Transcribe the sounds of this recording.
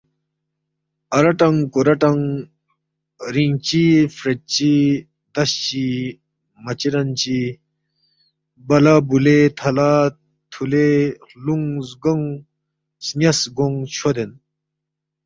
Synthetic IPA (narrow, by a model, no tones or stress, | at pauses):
ɐɾɐʈɐŋkoɾɐʈɐŋ | ɾiŋt͡ɕifɾet͡ɕi | d̪ɐɕt͡ɕi | mɐt͡ɕiɾɐnt͡ɕi | bɐlabulet̪ʰɐla | t̪ʰule | luŋzɡoŋ | snʲɐsɡoŋt͡ɕʰod̪en